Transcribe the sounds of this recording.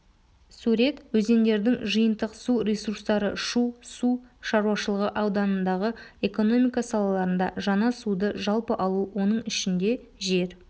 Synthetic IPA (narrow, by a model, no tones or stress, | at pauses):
suɾe̞t̪wɵze̞nd̪e̞ɾd̪ɪŋʒəjənt̪əqsuɾʲesurst̪ɑɾəʃusuʃɑɾuɑʃəlˠəʁəʔɑwd̪ɑnənd̪ɑʁəe̞ko̞no̞mijkɑsɑlˠɑlˠɑɾənd̪ɑ̰ʒɑnɑsud̪əʒɑlˠpəʔɑlˠuwo̞nəɴɪʃɪnd̪e̞ | ʒe̞ɾ